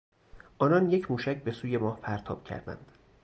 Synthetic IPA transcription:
ʔɒːnɒnje̞cʰmuːʃæcʰbe̞suːje̞mɒːhpʰæɾt̪ʰɒ̰ːb̥cʰæ̰ɾd̪æ̰nd̪̥

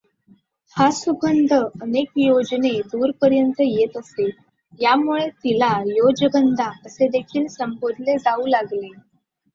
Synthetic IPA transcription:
hasubʱənd̪ʱəənekjod͡ʑned̪uːɾpəɾjənt̪əjet̪əse | jamuɭet̪ilajod͡ʑəɡənd̪ʱaəsed̪ekʰiːlsəmbod̪ʱled͡zauːlaɡle

